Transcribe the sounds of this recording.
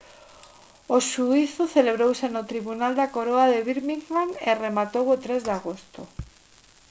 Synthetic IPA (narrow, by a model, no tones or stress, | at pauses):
oʃuiθoθeleβɾowsenot̪ɾiβunald̪akoɾoaðeβiɾmiŋlaneremat̪owot̪ɾezðaɣost̪o